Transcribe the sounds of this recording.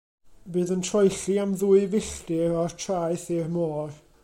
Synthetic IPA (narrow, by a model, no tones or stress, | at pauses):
bɨːðəntʰrɔjɬiamðuːɨvɪɬtɪɔrtʰrajθirmoːr